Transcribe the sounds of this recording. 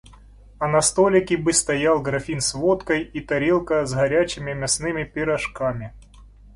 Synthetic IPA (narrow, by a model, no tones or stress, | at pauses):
ɐnɐst̪olʲɪkʲɪbɨst̪ɐjalˠɡɾɐfʲinsvot̪kɐjit̪ɐɾʲelˠkəzɣɐɾʲat͡ɕɪmʲɪmʲɐsnɨmʲɪpʲɪɾɐʂkamʲɪ